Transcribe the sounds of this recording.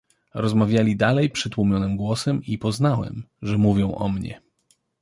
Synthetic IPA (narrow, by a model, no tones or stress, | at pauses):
ɾɔzmavʲjalʲid̪alɛjpʂɘt̪wumʲjɔnɘmɡwɔsɛmipɔznawɛ̰mʐɛmuvʲjɔ̃w̃ʔɔ̰mɲɛ̰